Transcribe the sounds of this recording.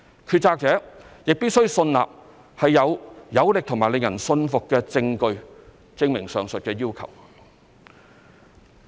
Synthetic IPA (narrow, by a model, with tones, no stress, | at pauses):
kʰyː˧t̚t͡saː˧k̚t͡sɛː˨˥jɪ˨k̚pi˥t̚sɵ˥ɥsɵ˧nla̰ː˨p̚ | hɐ˨jːɐ˨˧wjɐ˨˥wlɪ˨k̚t̪ʰŋmaː˨˩le˨ŋjɐ̰˨˩nsɵ˧nfʊ˨kːɛː˧t͡sɪ˧ŋkɵ˧ɥ | t͡sɪ˧ŋmɪ˨˩ŋsœː˨ŋsɵ˨t̚kɛː˧jiː˥wkʰɐ̰˨˩w